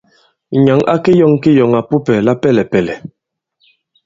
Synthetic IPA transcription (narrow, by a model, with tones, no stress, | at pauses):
ɲa˨˦ŋa̰˦ke˦jɔ˦˨ŋke˦jɔ˨ŋa˨pu˦pɛ˨la˦pɛ˦˨lɛ˨pɛ˨lɛ˨